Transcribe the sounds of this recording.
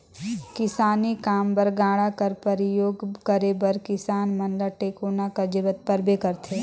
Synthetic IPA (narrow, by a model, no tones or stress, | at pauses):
kɪsaːnikaːmbəɾɡaːɽakɐɾpəɾɪjoːɡkɐɾebəɾkɪsaːnmɐnləʈeːkoːnakɐd͡ʒɪʋət̪̚pɐɾbekɐɾt̪ʰeː